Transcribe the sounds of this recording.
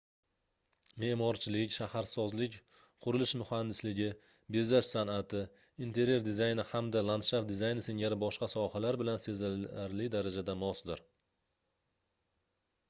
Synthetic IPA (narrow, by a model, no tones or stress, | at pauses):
me̞ʔmɒɾt͡ʃʰɪlɪkʲʃahaɾsɒzlɪkʲ | qʰʊɾɪlɪʃmʊhand̪ɪslɪɡʲɪ | be̞zaʃsanat̪ʰɪ | int̪ʰe̞ɾje̞ɾd̪ɪzajnɪhamd̪alˠant̪ʃaf̚d̪ɪzajnɪseŋaɾɪbɒʃqɑsɒhalaɾbɪlansezaɾlɪd̪aɾad͡ʒad̪amɒsd̪ɪɾ